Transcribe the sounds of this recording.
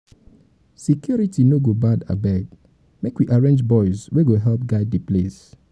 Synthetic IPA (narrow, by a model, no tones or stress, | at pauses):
sikjɔɹitinoɡobada̰bɛɡ | mekwiʔaɹẽnd͡ʒbɔɪsweɡoɦɛlp̚ɡaɪdeples